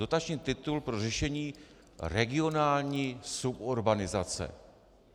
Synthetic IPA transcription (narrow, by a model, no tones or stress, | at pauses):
o̞t̪at͡ʃɲiːt̪ɪt̪ulpɾo̞rɛʃɛɲiː | rɛɡɪo̞naːlɲiːsupoɾbanɪzat͡sɛ̰